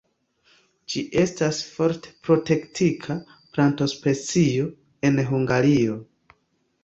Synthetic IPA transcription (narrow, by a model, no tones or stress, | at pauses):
d͡ʒiʔe̞stasfo̞ɾte̥pɾo̞te̞ktʰikʰa | planto̞spe̞t͡sio̞ | e̞nɦuŋɡaɾio̞